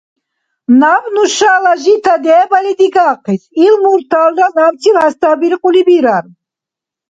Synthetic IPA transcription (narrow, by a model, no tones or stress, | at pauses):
navnuʃalaʒit̪ʰad̪ɛːbalid̪iɡaːqʰisilmuɾt̪ʰald̪anamt͡s̪ʰilhast̪ʰabiɾiqʼulibiɾaɾ